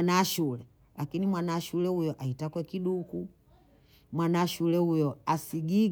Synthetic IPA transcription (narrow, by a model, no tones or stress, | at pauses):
naʃulɛ | lakinimwanaːʃulɛhujɔʔaitakwɛkiɗuku | mwanaʃulɛhujɔasiɡi